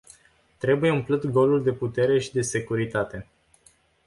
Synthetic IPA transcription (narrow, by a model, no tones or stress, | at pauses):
t̪ɾe̞buje̞ɨmplɨt̪ɡo̞luld̪e̞put̪e̞ɾe̞ʃid̪e̞se̞kuɾit̪at̪e̞